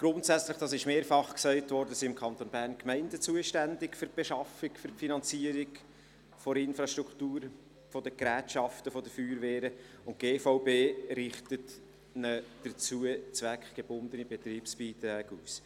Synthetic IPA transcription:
ɡ̥ɾʊntsæt͡sləχd̥ɑːsɪʃmeːɾfɑχksɛɪtʋɔɾdəsiɪmkʰɑnt̪onbæːɾnkmɛɪndət͡suəʃtændɪkfʏɾ̚b̥eʃɑfɪkfʏɾfinɑnt͡siəɾɪk | fɔɾɪnfɾɑʃtʁuktuːɾ | fɔd̥əkɾæːtʃɑftəfɔd̥əfyːɾʋɛːɾə | ʊntɡ̥eːfɔʊbeːɾɪχtət | nəd̥əɾt͡suət͡sʋækχɡ̥eb̥ʊnd̪ənibet̪ɾiːpsb̥iːt̪ɾæːɡuːs

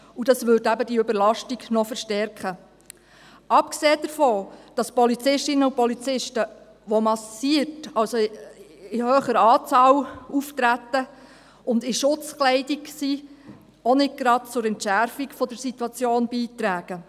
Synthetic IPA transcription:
ud̥ɑsʋʏdæbədiøbəɾlɑʃtiɡnɔfəɾʃtɛrkχə | ʔɑpkseːd̥əɾfɔːd̥ɑspɔlit͡sɪʃtɪnəupɔlit͡sɪʃtə | ʋɔmɑsiətɑlso | ɪhøːχəɾɑːt͡sɑːluft̪ɾæt̪ːə | ʊndɪʃʊt͡sklɛɪdiksi | ɔnɪd̚ɡ̥ɾɑd̚t͡sʊɾɛntʃæɾfiɡfɔdəɾsit̪uɑt͡sjoːnbiːtɾæːɡ̥ə

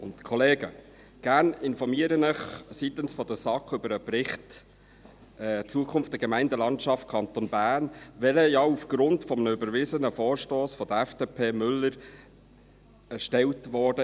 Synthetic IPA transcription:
ʊntkʰɔleːɡə | ɡ̥æːɾnɪnfɔɾmiəɾənɪχsit̪ənsfɔd̥̪əsɑkːʏbəɾəpɾɪχt | ɛt͡suəkʰʊmftdəɡəmæɪndəlɑntʃɑft̚kʰɑnt̪onbæːɾnʋɛləjɑːufɡ̥ɾʊntfɔmənəøbəɾʋɪzənəfɔːɾʃtoːsfɔd̥̪əɛfd̥eːpʰeːmʏlːəɾ | ɛʃtɛwtʋɔːd̥ə

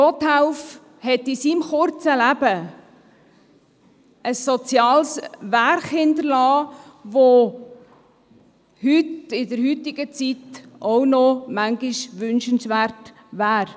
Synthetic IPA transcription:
ɔt̪hɛʊf | hɛtɪsimχʊɾt͡səlæb̥ə | əsːɔt͡sjɑːlsʋærχhɪntəɾlɑːʋo | hytɪdəɾɦyt̪ɪɡ̥ət͡sit̪ɔwnɔmæŋɡɪʃʋʏnʃənsʋæɾt | ʋæːɾ

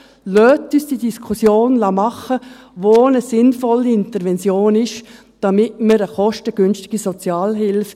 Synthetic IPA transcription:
løːtːysd̥idiskʰusjoːnlɑmɑχə | ʋonəsɪnfɔlːiɪntəɾʋɛnt͡sjoːnɪʃ | d̥ɑmɪtməɾəχɔʃtəɡ̥ʏnʃtɪɡ̥isɔt͡sjɑːlɦɪlf

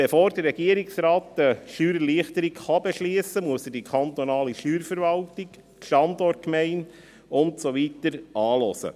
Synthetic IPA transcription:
befoːɾdərɾɛɡiəɾɪksɾɑːtːəʃyːɾəliəχtəɾikχɑbɛʃliəsəmuəsədikʰɑnt̪onɑːliʃyːɾfəɾvɑltik | ʃtɑndɔrt̚kmɛɪn | ʊntsoʋitəɾʔɑːlɔsə̰

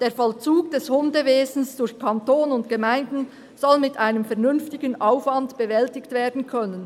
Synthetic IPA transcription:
d̥eːfɔlt͡suːɡd̥ɛshʊndəveːzn̩sd̥ʊrçkʰɑntoːnʊntɡ̥əmaɪndn̩ | z̥ɔlmɪtʰʔaɪnəmfɛɐʁnʏnftɪɡənʔaʊfvɑndb̥əvɛltɪktv̥eːɐdn̩kʰœnən

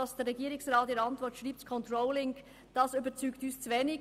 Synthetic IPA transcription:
ɑsd̥ɛrːɛɡiːɾɪksʁɑːtiːɾəɑntvɔɾtʃʁiːptkʰɔntʁɔʊlɪŋ | d̥ɑsybət͡syːktyːst͡svɛːnɪ

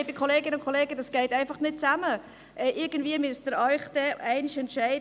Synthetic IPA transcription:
bɪkʰɔleːɡɪnəʊnkʰɔleːɡəd̥ɑsɡ̥ɛɪtæɪnfɑχnɪt̚t͡samə | ʔɛʔɪɾɡən̩dviəmʏsdəɾœʏχd̥ɛɛɪnɪʃɛntʃæɪd

